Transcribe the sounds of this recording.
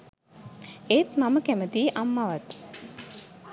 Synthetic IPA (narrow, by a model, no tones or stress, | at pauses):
eːt̪maməkæmət̪iːʔamːaʋat̪